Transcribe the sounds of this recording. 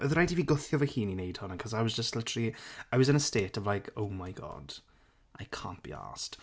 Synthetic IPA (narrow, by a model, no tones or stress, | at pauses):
əðɾajdiviːɡʊθjɔvəhiːninejd̥hɔnənkʰɔzaɪwɒzd͡ʒəstlɪtʰəriaɪwɔzɪ̃nəsteːtɔvlajkʰowmajɡɔ̰d̥ | ʔajkʰã̰ːnt̚b̥ḭa̰st